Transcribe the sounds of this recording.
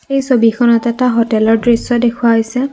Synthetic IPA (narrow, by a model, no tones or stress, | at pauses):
ejsobikʰɔnɔtɛtaɦɔtɛlɔɹdɹisɔdekʰuwaɦojsɛ